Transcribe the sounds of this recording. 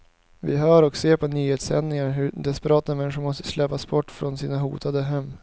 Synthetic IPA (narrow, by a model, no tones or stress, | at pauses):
vɪ̰ɦœːɾɔkseːɾpʰɔnyːheːt̪sɛnnɪŋaɾɦɵd̪ɛspɛɾɑːt̪mɛnːɪɧʊɾmɔst̪ə̥slɛpːasbɔʈːfɾɔnsiːnaɦṵːt̪ʰad̪əɦɛmː